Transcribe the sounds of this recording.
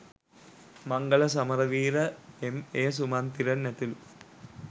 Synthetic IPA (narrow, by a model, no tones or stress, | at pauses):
mɐŋɡɐlɐs̬ɐmɐɾɐʋiːɾəemeːs̬umant̪iɾɐnːæt̪ilu